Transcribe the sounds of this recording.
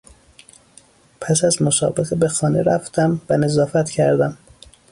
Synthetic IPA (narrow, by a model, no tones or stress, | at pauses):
pʰæsæzmosɒ̰ːbeɣebe̞xɒːneɾæft̪ʰæmvæne̞zɒːfæt̪cʰæɾd̪æm